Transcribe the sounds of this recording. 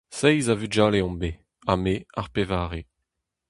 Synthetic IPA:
sɛjzavyʒaːleɔ̃mbe | ameaʁpevaːʁe

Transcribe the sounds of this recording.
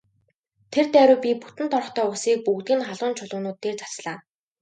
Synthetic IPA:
t̪ʰert̪æːɾʊːpʲiput̪ɘ̆nt̪ʰɔr̆χt̪œːʊsiːk̚puɣt̪iːnχaɮʊːnt͡ɕʰʊɮʊːnʊːt̪ːeːrt͡sḁt͡sɮaː

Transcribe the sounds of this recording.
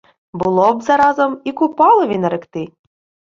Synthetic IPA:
bʊlˠɔbzɐɾɑzɐmikʊpɑlˠɪʋʲinɐɾɪkt̪ɪ

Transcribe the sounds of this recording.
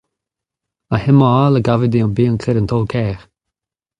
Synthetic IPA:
ahɪmɔalˠəɡavɪdiɔnbiːənkʰɪɾəntʰoːlˠkʰɛːχ

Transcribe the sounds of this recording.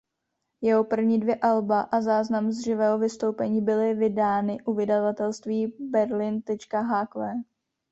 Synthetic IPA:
jɛɦo̞pr̩vɲiːdvjɛʔalbaʔazaːznamzd̪r̝ɪvɛːɦo̞vɪst̪owpɛɲiːbɪlɪvɪdaːnɪʔuvɪdavat̪ɛlst̪viːbɛɾlɪnt̪ɛt͡ʃkaɦaːkvɛː

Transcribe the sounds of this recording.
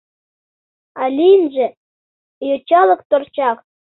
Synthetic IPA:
ɑlʲinʒĕ | jot͡ɕɑlɤ̆k̚t̪ort͡ɕɑχ

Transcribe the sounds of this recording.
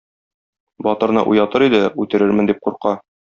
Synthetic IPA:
bɒt̪ɤ̆ɾnɤ̰ʔṵjɑt̪ɤɾid̪ɘʉt̪ɘ̆ɾɘɾmɘ̆nd̪ip̚quɾqɑ

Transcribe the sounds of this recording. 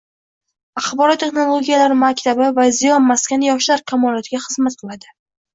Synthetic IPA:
ɑχbɒɾɒt̪ʰːe̞χnolˠo̞ɡʲijalaɾɪmakʲt̪ʰabɪvazɪjɒnmaskʲanjɒʃlaɾkʲʰamɒlˠɒt̪ʰɪɡʲaχɨzmat̪̚qʰɨlˠad̪ɪ

